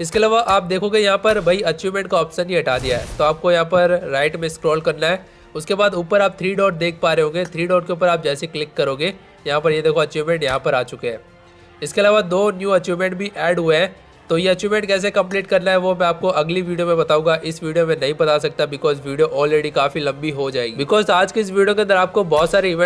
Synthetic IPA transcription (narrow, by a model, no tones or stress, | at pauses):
ɪskeɐlaːʋaʔaːp̚d̪eːkʰõɡejɐɦãpɐɾbʱɐiɐt͡ʃuːmẽɳʈ̚kaɔːpsənɦĩɐʈaːd̪ijaɦɛ̰ːt̪oaːp̚kojɐɦãpɐɾːaːɪʈmẽskɾɔːlkɐɾnaɦɛː | ʊskebaːd̪uːpəɾaːp̚t̪ʰɾiːɖɔːʈd̪eːk̚ʰpaːɾeɦõːɡet̪ʰɾiːɖɔːɾkeuːpəɾaːp̚d͡ʒɛːseklɪkːɐɾoːɡe | jɐɦãp̬ɐɾjed̪eːkʰoɐt͡ʃuːmẽɳʈjɐɦãpɐɾaːt͡ʃʊkeɦɛ̃ː | ɪskeɐlaːʋad̪oːnjũːɐt͡ʃuːmẽɳʈ̚bʱiʔɛːɖɦueɦɛ̃ | t̪oːjeɐt͡ʃuːmɛ̃ɳʈ̚kɛːs̬ekɐ̃mpliːʈ̚kɐɾnaɦɛʋomɛ̃aːp̚koʔɐɡliʋiːɖijomẽbɐt̪aːũːŋɡaʔɪsʋiːɖijomẽnɐɦĩbɐt̪asɐk̚t̪abɪkɔːzʋiːɖijoʔɔːlɾeːɖikaːfilɐ̃mbiɦod͡ʒaːḛːɡibɪkɔːzaːd͡ʒkeɪs̬ʋiːɖijokẽɐ̃nd̪əɾaːp̚kobɔːt̪saːɾeɪʋɛ̃